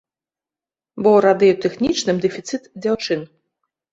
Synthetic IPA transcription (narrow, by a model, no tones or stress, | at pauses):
bɔɾad̪ejut̪ɨxnʲit͡ʃnɨmd̪ɨfʲit̪sɨt̪dʲawt͡ʂɨn